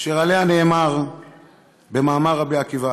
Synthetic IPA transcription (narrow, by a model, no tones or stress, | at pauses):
ʃeʁaleaneːmaʁ | bemaːmaʁːabiakiva